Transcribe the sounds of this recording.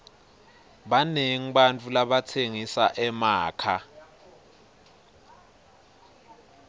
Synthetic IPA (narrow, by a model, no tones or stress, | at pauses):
ɓaneŋ̩ɓant͡fʼulaɓatʰeŋisaʔɛmaːkʰa